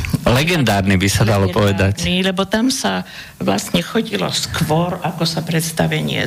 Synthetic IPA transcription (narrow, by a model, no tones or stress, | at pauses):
lɛɡɛnd̪aːɾnibisad̪alɔpɔʋɛd̪acilɛbɔt̪amsa | ʋla̰sɲɛxɔɟilɔ̰skʋɔɾakɔsapɾɛt̪st̪aʋɛɲɪɛ̰